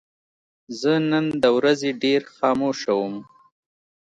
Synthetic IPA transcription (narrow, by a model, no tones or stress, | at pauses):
zənənd̪əwɾazeɖeɾxɑːmoʃawəm